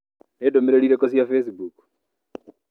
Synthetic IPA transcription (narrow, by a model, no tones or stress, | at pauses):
nedomeɾeɾiɾekosiafesibuk